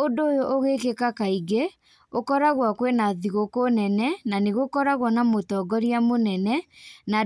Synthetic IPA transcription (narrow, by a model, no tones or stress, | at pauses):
ondoːjoʔoɣekekakaiɡe | okɔɾaɣwakwenaðiɣokonɛnɛnaneɣokɔɾaɣwanamotɔɡɔɾiamonɛnɛna